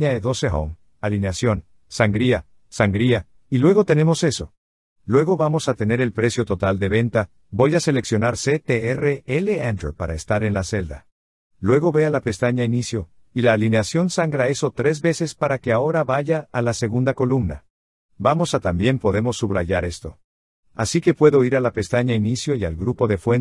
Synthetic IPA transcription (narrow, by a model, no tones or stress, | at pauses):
aeðo̞sexo̰m | alineasjo̞n | saŋɡɾia | saŋɡɾia | ilwe̞ɣo̞t̪e̞ne̞mo̞se̞so̞ | lwe̞ɣo̞βamo̞sat̪e̞ne̞ɾe̞lpɾe̞sjo̞t̪o̞t̪ald̪e̞βe̞nt̪a | bo̞jase̞le̞ksjo̞naɾse̞t̪eereele̞and̪ɾopaɾaest̪aɾe̞nlase̞ld̪a | lwe̞ɣo̞βe̞alape̞st̪aɲainisjo̞ | ilaːlineasjo̞nsaŋɡɾae̞so̞t̪ɾe̞zβe̞se̞spaɾake̞ao̞ɾaβaʝaːlase̞ɣund̪ako̞lumna̰ | bamo̞sat̪ambje̞mpo̞ðe̞mo̞sːuβɾa̰ʝaɾe̞st̪o̞ | a̰sike̞pwe̞ðo̞iɾalape̞st̪aɲainisjo̞ia̰lɡɾupo̞ðe̞fwen